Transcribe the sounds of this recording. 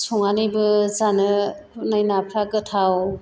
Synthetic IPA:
sɔŋanɯjbɯzanɯ | najnapʰɾaɡɯtʰaw

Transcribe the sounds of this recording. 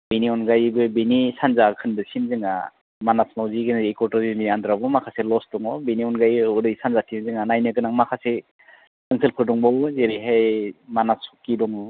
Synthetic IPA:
beniɔnɡajbɯbenisanzakʰɯndɯsimzɯŋa̰ | manasmawziɡɯnekɔɾtɯɾziniandɾabɔmakʰaselɔsdɔŋɔbeniɔnɡajuɾɯjsanzatʰimzɯŋanajnɯkɯnaŋmakʰase | ɯŋsʰɯlpʰɯɾdɔŋbɔwzeɾiɦajmanasɔ̥kidɔŋɔ

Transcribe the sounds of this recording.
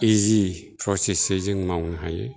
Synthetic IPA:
izipʰɾɔsesezɯŋmawnaɦaje

